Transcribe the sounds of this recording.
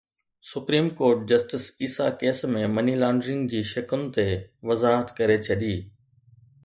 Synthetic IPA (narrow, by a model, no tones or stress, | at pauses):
sʊpɾiːmkoːɾʈ̚d͡ʑɐsʈɪsiːsakeːsmẽmɐnilaːɳɖɾɪ̃ŋɡd͡ʑiːʃɐkʊnɪ̆t̪eʋɐzaːɦət̪kɐɾet͡ɕʰɐɗiː